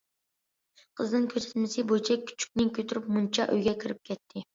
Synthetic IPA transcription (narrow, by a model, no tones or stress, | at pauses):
qʰəznɪŋkʲʰøsɛ̥t̪mɪsɪbojt͡ʃʰɛk̚ʲʰːy̥t͡ʃʰy̥k̚ʲnɪŋkʲʰøt̪ʰyɾypmunt͡ʃʰɑʔø̰jɡʲɛkʲʰɪɾɪp̚kʲʰɛt̪ʰːɪ